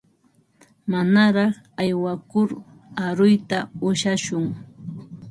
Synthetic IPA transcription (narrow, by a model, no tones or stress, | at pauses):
manaɾɑχ | ajwakʊɾ | aɾʊjt̪aʊʃaʃʊŋ